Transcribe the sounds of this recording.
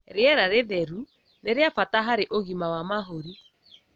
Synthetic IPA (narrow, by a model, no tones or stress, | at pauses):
ɾeɛɾaɾeðɛɾu | neɾeafataɦaɾeʔoɣimawamaɦoɾi